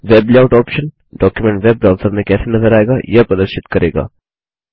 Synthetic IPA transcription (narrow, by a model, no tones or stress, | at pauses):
ʋeːblawʈɔːpʃən | ɖɔːkjumẽɳʈʋeb̚ɖɾaːlsəmnekɛːsenɐzəɾaːeɡajapɾɐd̪əɾʃɪt̪kɐɾeːɡa̰ː